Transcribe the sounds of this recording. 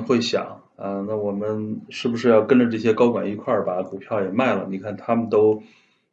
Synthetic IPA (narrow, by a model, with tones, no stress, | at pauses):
xwe˥˩ɪɕjɑ̰˨˩˦ŋ | ə˧na˥˩wɔ˨˩mə˦nʂɻ̩˥˩bu˩ʂɻ̩˥˧jɑ˥˩ʊkə˥nʈ͡ʂə˨ʈ͡ʂɤ˥˩ɕ̬jɛ˥kɑ˥ʊkwa˨˩ni˧˥kʰwa˥˩bɐ˩ku˨˩pʰjɑ˥˩ʊjɛ˨˩ma˥˩ɪlə̰˩ni˨˩kʰa˥˩nt̪ʰa˥mə˨nt̪o˥ʊ